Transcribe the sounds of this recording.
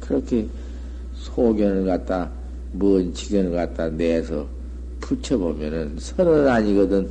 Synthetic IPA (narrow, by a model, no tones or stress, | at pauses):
kɯɾʌkʰe | sʰoɡjʌnɯɭkat̚t͈a | muːnt͡ɕʰiɡjʌnɯɭɡat̚t͈aneːsʰʌ̰ | pʰut͡ɕʰʌbomjʌnɯnsʰʌnɯnaɲiɡʌdɯn